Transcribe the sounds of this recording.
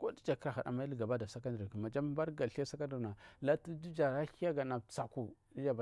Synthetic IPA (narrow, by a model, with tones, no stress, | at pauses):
ko˦di˦d͡ʒa˨ki˦ɾa˨xa̰˨da̰˨ma˦i˦lɡa˨ba˦da˨sa˦ka˦ndki˨ma˨d͡ʒa˦m˦ba˦ɾɡa˨ɬa˦sa˦ka˦ndu˨ɾna˨la˦ti˦di˦d͡ʒa˨ɾa˦hi˦ja˦ɡa˨na˨sa˨ku˦ | i˦d͡ʒa˨ba˨